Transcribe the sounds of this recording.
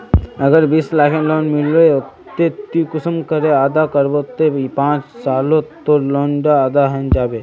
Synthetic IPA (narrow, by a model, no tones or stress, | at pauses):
əɡəɾbiːslaːkʰẽloːnmɪlʋet̪ːet̪ːĩkʊsəmkəɾeaːd̪akəɾbot̪ːepãːt͡ʃsaːlot̪oloːɳɖaːd̪aɦɛnd͡ʒaːbe